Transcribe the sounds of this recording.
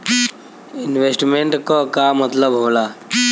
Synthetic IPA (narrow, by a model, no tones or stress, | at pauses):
ɪnʋesʈmẽɳʈkokamət̪ləbɦoːlaː